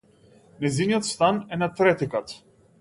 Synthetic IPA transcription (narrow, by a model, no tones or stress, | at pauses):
nɛjzinijɔt̪st̪anɛnat̪ɾɛt̪ikat̪